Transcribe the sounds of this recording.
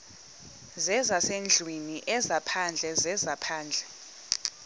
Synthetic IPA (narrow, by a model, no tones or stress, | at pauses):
zɛzasend͡ɮʱwiniʔɛzapʰand͡ɮʱɛzɛzapʰaːnd͡ɮʱɛ